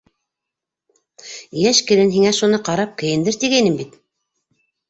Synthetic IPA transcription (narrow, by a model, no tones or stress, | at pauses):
jæʃkɘ̆ɾɘnɦiŋæʃunɤqɑɾɑp̚kɘ̆jɘ̆nd̪ɘɾt̪iɡæjnɘmbit̪